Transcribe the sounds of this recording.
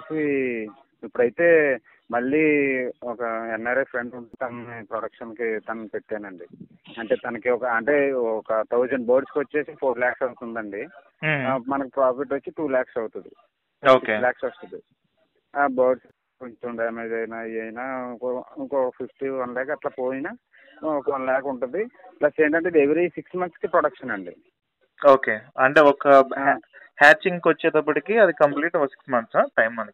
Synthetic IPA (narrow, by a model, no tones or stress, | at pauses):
si | ipːuɽɐjt̪e̞ː | mɐɭːiːɔkɐɛnːɐɾepʰɾe̞ɳɖuɳʈet̪ɐnnipɾoɽɐkʂɐnkit̪ɐnɐpe̞ʈːeːnɐɳɖi | ɐɳʈe̞ːt̪ɐnɐkiɔkɐɐɳʈe̞ːɔkɐt̪ʰɐwd͡ʒɐɳɖboːɾɖskiʋɐt͡ʃːe̞ːsipʰoːɾlaːksɐwut̪und̪ɐɳɖi | mɐnɐkipɾaːpiʈʋɐt͡ʃːiʈuːlaːksɐwt̪und̪ḭ | oːsiklaːksɐst̪ud̪i | aːbɐːɖs | ut̪uɳɖɐɐmɐid̪ɐjnaːiɐjnaːŋkoiŋkoːpʰifʈiɐnɐlɛːkɐɐt̪laːpoːjinaː | ɔkɐɐnlɛːkɐuɳʈund̪iplɐseːɳʈɐɳʈed̪eʋiɾɐiːsiksmɐnt̪skipɾoɽɐkʂɐnɐɳɖḭ | o̞ːke̞ːɐɳʈe̞ːɔkɐ | haːt͡ʃːiŋɡkʋɐt͡ʃːɛːd̪ɐp̬ːɐʈikiɐd̪ikɐmpliːʈɔkɐsi̥ksmɐnt̪saːʈɐjmːɐnɐki